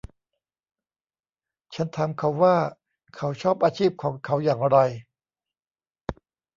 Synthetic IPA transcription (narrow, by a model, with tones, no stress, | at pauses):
t͡ɕʰa˦˥nt̪ʰa˧mkʰa˦˥wːaː˥˩ | kʰa˦˥wt͡ɕʰɔː˥˩p̚ʔaː˧t͡ɕʰiː˥˩p̚kʰɔː˩˦ŋkʰa˦˥wjaː˨˩ŋɾa˧j